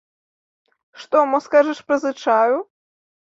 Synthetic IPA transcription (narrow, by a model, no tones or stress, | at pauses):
ʂt̪ɔmɔskaʐɐʂpɾɐzɨt͡ʂaju